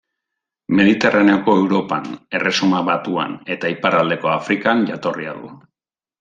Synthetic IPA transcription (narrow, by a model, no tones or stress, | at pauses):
me̞ðit̪e̞rane̞o̞ko̞e̞wɾo̞pane̞re̞sumaβat̪ua̰ne̞t̪aipaɾald̪e̞ko̞afɾikanʝat̪o̞ria̰ðṵ